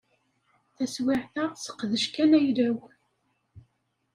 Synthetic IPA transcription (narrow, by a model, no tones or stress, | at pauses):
θæswɪʕθæsə̥qːðəʃkænæjɾæw